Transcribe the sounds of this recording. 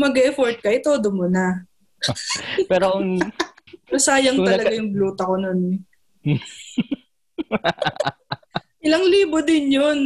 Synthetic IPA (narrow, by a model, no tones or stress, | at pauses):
mɐɡɛɛfoɹt̪̚kɐʔɪt̪oːd̪omona | pɛːɾoʊŋ | ɐsaːjɐŋt̪ɐlɐɡajʊŋbluːt̪ɐko̞nonɛ | ʔɪlɐŋliːbod̪ɪnjon